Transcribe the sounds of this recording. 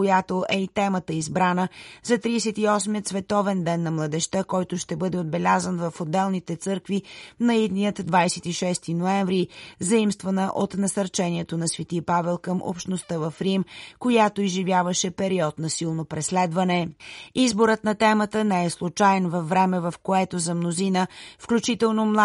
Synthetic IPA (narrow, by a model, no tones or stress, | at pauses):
ojat̪oʔɛit̪ɛmət̪əizbɾanəzɐt̪ɾiːsɛt̪iɔsmiət̪svɛt̪ɔvɛnd̪ɛnːɐmlˠəd̪ɛʃt̪akɔjt̪oʃt̪ɛbɤd̪ɛod̪̚bɛlʲazənvɐfod̪ːɛlˠnit̪ɛt̪sɤɾkvinɐid̪nijət̪d̪vajsɛt̪iʃɛst̪inoɛɱvɾizɐimst̪vənəʔot̪nɐsɐɾt͡ʃɛniɛt̪onɐsvɛt̪iəpavɛlˠkəmʔo̰pʃt̪nost̪əvɐfɾimkojat̪oizʒivjavəʃɛpɛɾiɔt̪nɐsilˠnopɾɛslɛd̪vɐnɛizboɾət̪nɐt̪ɛmət̪ənɛɛslˠut͡ʃajɛnvɐfːɾɛmɛvɐfkoɛt̪ozɐmnozinəfklʲut͡ʃit̪ɛlˠnomlˠa